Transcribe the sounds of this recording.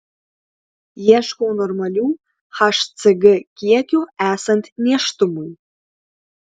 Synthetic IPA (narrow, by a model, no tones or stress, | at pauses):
jaʂkʷʼownormalʲiw | ħaʂt͡sʰaɡʲɪkʲʼijakʲʼuæsantʰʼnaʂtʼumuj